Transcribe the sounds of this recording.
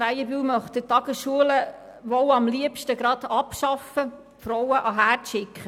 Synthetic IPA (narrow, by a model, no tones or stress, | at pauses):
ɾæjəbyːwmœχtd̥ətɑɡ̥əsʃuələ | ʋɔwɑmliəpʃtəɡ̥ɾɑd̥ɑpʃɑfə | fɾɔwəʔɑɦæːɾtʃɪkχə